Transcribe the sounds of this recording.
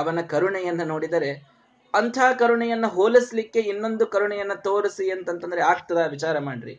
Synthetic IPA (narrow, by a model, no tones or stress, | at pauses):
ɐʋɐnɐkɐɾuɳɛjɐnːɐno̞ːɽid̪ɐɾe̞ | ɐnt̪ʰaːkɐɾuɳɛjɐnːuɦoːlislikːe̞inːo̞nd̪ukɐɾuɳɛjɐnːɐt̪o̞ːɾisiɐnt̪ɐnt̪ɐnd̪ɐɾeaːkt̪ɐd̪ɐʋit͡ʃaːɾɐmaːɽɾḭ